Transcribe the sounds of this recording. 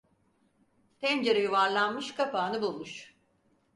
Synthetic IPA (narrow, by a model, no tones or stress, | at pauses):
t̪ʰɛnd͡ʒeɾejuvaɾlˠanmɯʃkʰapʰaːnɯbulˠmuʃ